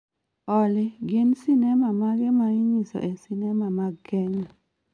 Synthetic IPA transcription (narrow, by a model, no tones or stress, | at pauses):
ɔlɪɡɪnsinɛmamaɡɛmaɪɲisɔ̰ʔɛsinɛmamaɡkɛɲɔ